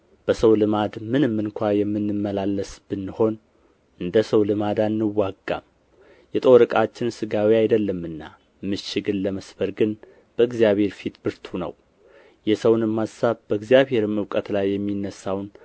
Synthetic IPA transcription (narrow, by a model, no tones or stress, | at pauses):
b̥əsəwlɨmad̪mɨnɨmːɨŋkʷʰajɛmːɨnːɨmːəlalːəsb̥ɨnːɨho̞n | ʔɨnd̪əsəwlɨmad̪anːɨwːaɡːa̰m | jɛt̪ʼo̞ɾɨkʼat͡ʃːɪnsɨɡawiajd̪əlːəmːɨnːa̰ | mɨʃɪɡɨlləməsbəɾɡɨn | b̥əɨɡzijaβhe̞ɾfit̪bɨɾt̪ʰunə̰w | jɛsəwnɨmːassaβbəɨɡzijaβhe̞ɾɨmɨwkʼət̪lajːɛmːinːəsːawn